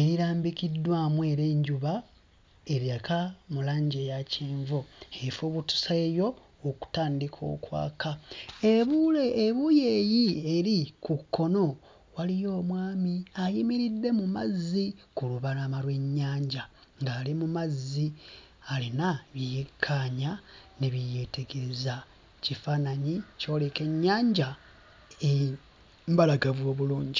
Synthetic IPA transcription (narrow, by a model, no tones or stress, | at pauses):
e̞ɾiɾaːmbikidːwaːmwe̞ːɾe̞ːɲɟuβa | e̞ɾjakamulaːɲɟejaceːɱvoefoβutu̥saejo̞ː | ku̥taːndikʰo̞̰ːkwa̰ːkaeβuleeβujejieɾikukʰːo̞no̞ | walijo̞ːmwaːmiajimiɾidːe̞muma̰zːikuluβaɾamalwe̞ɲːaːɲɟa | ŋɡaːlimumazːi | alinaβjijekʰːaːɲaneβije̞te̞ɡeeza | cifaːnaɲico̞ːle̞ke̞ɲːaːɲɟa | e | mbalaɡaβo̞ːβuluːɲɟi